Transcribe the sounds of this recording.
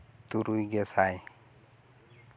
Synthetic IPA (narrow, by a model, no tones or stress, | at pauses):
t̪uɾujɡɛsaj